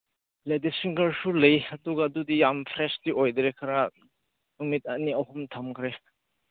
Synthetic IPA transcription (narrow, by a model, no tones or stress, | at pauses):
ledisiŋɡɐɾsulejɐduɡadudijampʰɾestiʔojdɾekʰaɾa | numit̚ɐniɐɦumtʰɐmkʰɾe